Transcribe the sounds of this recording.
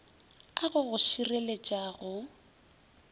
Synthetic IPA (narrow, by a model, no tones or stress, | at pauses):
aɣʊɣʊʃirelet͡ʃʼaːɣʊ